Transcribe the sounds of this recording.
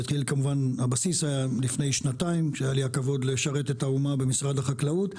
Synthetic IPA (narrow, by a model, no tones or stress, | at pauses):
at̪χilkamuvanhabasisajalifne̞jʃnataimʃeajaliakavo̞d̪leʃaʁe̞t̪e̞taumabe̞misʁad̪haχaklaut